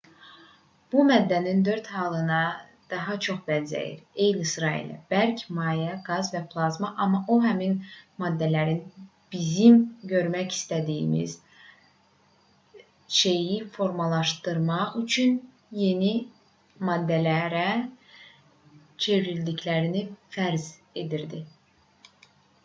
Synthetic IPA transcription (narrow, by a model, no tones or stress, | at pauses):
b̥umæd̪ːænind̪ø̞ɾt̪hɑːlˠɯnɑ | d̪̥ɑɦɑt͡ʃʰo̞χbænzæ̰jḭɾejlisɾɑḭlɛ̰b̥æɾcʰimɑːjæɡɑzvæpʰlˠɑzmɑʔɑmːɑʔoɦæminmɑd̪ːælæɾin | b̥izimɟø̞ɾmæci̥st̪æd̪ḭːmḭz | ʃe̞jifo̞ɾmɑlˠɑʃt̪ɯɾmɑʁyt͡ʃʰyn | je̞ni | mɑd̪ːælæɾæ | t͡ʃʰe̞vɾild̪iclæɾinifæɾz | e̞d̪iɾd̪i